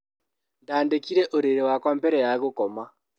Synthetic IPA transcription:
ndaːndekiɾeʔoɾeɾewakwaːmpeɾejaɣokoma

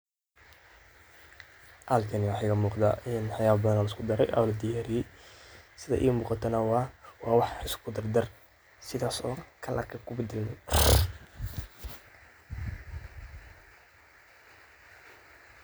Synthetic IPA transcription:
ʔaːlkʰɐniwɑħɑkɐmuːqd̪a̰ʔɪnħɑjaːbɐðɐnalɐɪskʰʊd̪ɐɾɛ̰jʔɐ̰lɐd̪ijaːɾɪɛ | sɪðɐ̰ʔḭːmuːqɑt̪ʰɐnɐwɑːwɑːwɑħɪskʰʊd̪ɐrd̪ɐr | sɪðaːsɔ̰ːkʰɐlʔɐ̰kʰɐkʰʊbɪd̪ɪlmɛ

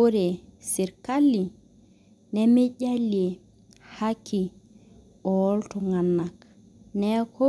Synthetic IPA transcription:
oɾesiɾkalːi | nɛmeɟale | hakʰːi | ɔltɔŋanːak | nɛkʰo

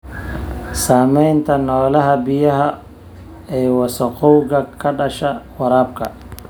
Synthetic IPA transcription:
saːmɛjnt̪ʰɐnɔːlɐɦɐbɪjɐɦɐ | ɛːwɑsɐqɔwɡɐkʰɐɖɐʃɐwɐɾaːb̚kʰɐ

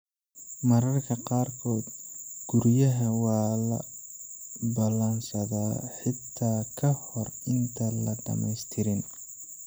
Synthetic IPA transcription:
mɐɾɐrkʰɐqɑːrkʰɔːd̪ɡ̥ʊɾjɐɦɐwɑːlɐ̰ | bɐlɐnsɐðaːħɪt̪ʰːaːkʰɐhɔrɪnt̪ʰɐlɐɖɐ̰mɛ̰jst̪ʰɪɾɪn

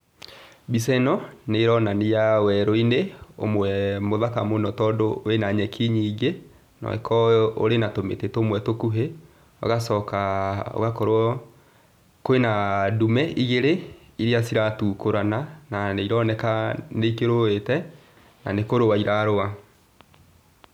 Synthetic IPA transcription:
bisɛnɔneɾɔnanejawɛɾoineo̰mwɛmoðakamonɔtɔdoenaɲɛkʰiɲiːɡe | nɔ̰ɛ̰kʰɔo̰ɾenatomḛtetomwɛtokuɦe | ɔ̰ɣasɔkaɔ̰ɣakɔɾwɔ | koenadumɛʔiɣeɾe | iɾiasiɾatukoɾanananeiɾɔnɛkaneikeɾoetɛ | na̰nekoɾowaiɾaɾoa

